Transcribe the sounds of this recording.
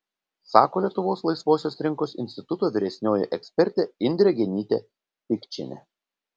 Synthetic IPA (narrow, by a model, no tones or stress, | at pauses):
sɑ̰ːkoːlʲiɛt̪ʊʋoːslˠɐɪsʋoːsʲoːsɾʲɪŋkoːsɪ̰nʲsʲt̪ʲɪt̪ʊt̪oːʋʲɪɾʲɛsʲnʲoːjɛ̰ʔɛksʲpʲɛɾʲt̪ʲeɪnʲd̪ʲɾʲɛɡʲɛnʲiːt̪ʲḛ | pʲɪkʲt͡ʃʲɪ̰nʲɛ̰